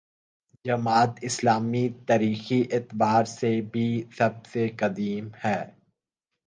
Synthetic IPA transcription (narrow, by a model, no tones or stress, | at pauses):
d͡ʒɐmaːt̪ɪslaːmit̪aːɾiːxiʔɪt̪baːɾsebʱisɐbsekɐd̪iːmhɛː